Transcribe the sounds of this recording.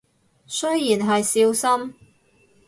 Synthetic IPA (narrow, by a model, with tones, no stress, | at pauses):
sɵ˥ɥjiː˨˩nɦɐ˨jsiː˧wsɐ˥m